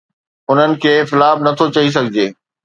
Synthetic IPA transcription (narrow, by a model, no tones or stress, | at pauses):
ʊn̤ənɪ̆kʰeːfɪlaːbnɐt̪ʰot͡ɕɐis̬ɐɡʱɪd͡ʑeː